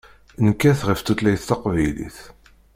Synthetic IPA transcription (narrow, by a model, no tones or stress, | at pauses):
nəkːæθʁəft̪ut̪læjθt̪ɑqvæjlḭθ